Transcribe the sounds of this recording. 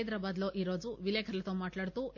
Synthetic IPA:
jd̪ɾɐbaːd̪loːʔiɾoːd͡ʒuʋileːkʰɐɾɐlɐt̪oːmaːʈlaːɽt̪u

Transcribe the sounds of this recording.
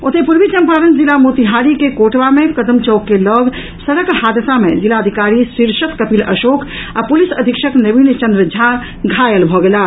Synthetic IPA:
ʊt̪ʰepuɾʋit͡ʃə̃mpaːɾənzilamut̪iɦaːɾikekoːʈʋamẽkɐd̪əmt͡ʃɔːkːelɔːɡ | sɐɽəkhaːd̪əsamḛ̃zilaːd̪ʱikaːɾisiɾʃət̪kɐpiːlɐ̰ʃoːkapʊlisəd̪ʱikʃəknɐʋiːnt͡ʃɐ̃nd̪ɾəd͡ʒʱa | ɡʱaːjəlbʱɔɡelaː

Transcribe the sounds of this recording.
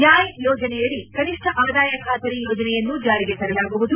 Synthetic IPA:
jaːjijɔːd͡ʒɐnɛjɐɭːikɐniʂʈʰɐʔaːd̪aːjɐkʰaːt̪ɐɾijɔːd͡ʒɐnɛjɐnːud͡ʒaːɾiɡet̪ɐɾɐjaːbɐʋud̪u

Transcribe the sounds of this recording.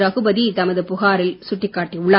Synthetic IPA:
ɾɐɣɯbɐðit̪ɐmɐðɯpʊɣaːɾɪlsʊʈːɪkːaːʈːiʊɭːɐ

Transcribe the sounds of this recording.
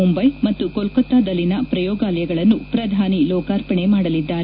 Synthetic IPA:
umbɐjmɐt̪ːukolkɔt̪ːaːd̪ɐlːinɐpɾɐjɔːɡaːlɐjɐɡɐɭɐnːupɾɐd̪ʱaːnilɔːkaːɾpɐɳemaːɽɐlid̪ːaːɾe

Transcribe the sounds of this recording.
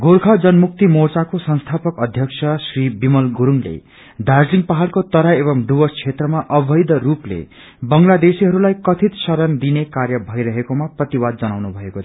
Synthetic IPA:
ɡorkʰʌd͡zʌnmuk̚t̪imort͡sakosʌnst̪ʰapʌkʌd̪ʱjʌksʰʌsribimʌlɡuɾuŋlḛ | d̪ʱard͡zliŋpaɦalkot̪ʌɾaebʌmɖ̪ubʌst͡sʰet̪rʌmaʔʌbʱʌjd̪ʌruplḛ | bʌŋlad̪esiɦʌɾulajkʌt̪ʰit̪sʌɾʌnd̪inekarjʌbʱʌjɾʌɦekomaprʌt̪iwad̪̚d͡zʌnawnubʱʌeko

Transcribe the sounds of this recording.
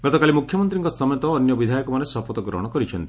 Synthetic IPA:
ɡ̥ɔt̪ɔkalimukʰjɔmɔnt̪ɾiŋkɔsɔmjɔt̪ɔːnjɔbid̪ʱajɔkɔmanesɔpɔt̪ɔɡɾɔ̰ɦɔɽ̃ɔkɔɾit͡ʃʰɔnt̪i̥

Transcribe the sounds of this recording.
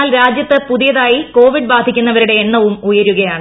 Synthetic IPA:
aːlɾaːd͡ʑjɐt̪ːɨpuðijɐðaːjiko̞ːʋiɖ̚baːd̪ʱikʲːunːɐʋɐɾuɽe̞ːɳːɐʋumujɐɾuɣɐjaːɳɨ

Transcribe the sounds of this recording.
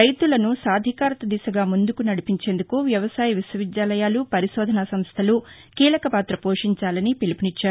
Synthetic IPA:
ɐjt̪ulɐnusaːd̪ʱikaːɾt̪ɐd̪isɐɡaːmund̪ukunɐɽipiɲt͡ʃe̞ːnd̪ukuʋjɐʋɐsaːjɐʋiswɐʋid̪jaːlɐjaːlupɐɾiʃɔːd̪ʱɐnasɐmst̪ʰɐlu | kiːlɐkɐpaːt̪ɾɐpoːʂiɲt͡ʃaːlɐnipilipinit͡ʃːaːɾu

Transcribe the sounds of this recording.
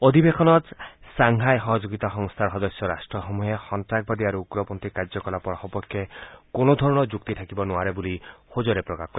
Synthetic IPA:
od̪ʱibekʰɔnɔt̪saŋɦajɦɔɦɔd͡ʒoɡit̪axɔŋst̪ʰaɾɦɔd̪ɔsjɔɾasʈɾɔɦɔmuɦexɔnt̪ɾak̚bad̪iaɾuuɡɾɔpɔnt̪ikaɾd͡ʒɔkɔlapɔɾxɔpɔkʰjekonɔd̪ʱɔɾɔɽ̃ɔd͡ʒuk̚t̪it̪ʰakibɔnuaɾebulihod͡ʒoɾepɾɔkakɔɾi

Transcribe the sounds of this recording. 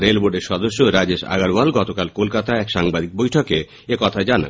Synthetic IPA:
ɾelboɖeɾʃɔd̪oʃːoɾad͡ʑeʃa̰ɡaɾbalɡɔt̪okalkolkat̪aɛkʃaŋbad̪ik̚bojʈʰoke | ekɔt̪ʰad͡ʑana̰

